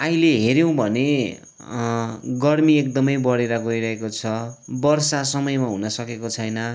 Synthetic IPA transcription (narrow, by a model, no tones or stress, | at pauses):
aileɦeɾjõw̃bʱʌne | ɡʌrmiek̚d̪ʌmʌjbʌɽeɾʌɡojɾʌɦekot͡sʰʌbʌrsasʌmʌjmaɦunʌsʌkekot͡sʰʌjnʌ